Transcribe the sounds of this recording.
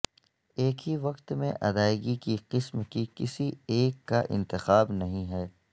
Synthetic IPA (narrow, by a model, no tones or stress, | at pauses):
eːkɦiʋɐqt̪mḛ̃ʔɐd̪aːɪɡikiqɪsmkikɪsieːkːaʔɪ̰̃nt̪ɪxaːbnɐɦĩɦɛː